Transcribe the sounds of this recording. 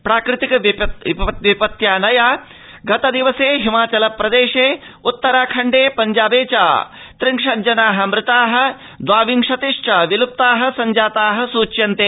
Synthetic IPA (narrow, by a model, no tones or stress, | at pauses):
pɾaːkɾɨt̪ikɐʋɐʋipɐt̪jaːnɐjaː | ɡɐt̪ɐd̪iʋɐseːɦimaːt͡ʃɐlɐpːɾɐd̪eːʂeːut̪ːɐɾaːkʰɐɳɖeːpɐɲd͡ʒaːbeːt͡ʃa̰ː | t̪ɾiŋʂɐd͡ʒɐnaːɦɐ̆mɾɪt̪aːɦɐ̆ | d̪ʋaːʋiŋʂɐt̪iʂʈɐʋilup̚t̪aːɦɐ̆sɐɲd͡ʒaːt̪aːɦɐ̆suːt͡ʃjɐnt̪eː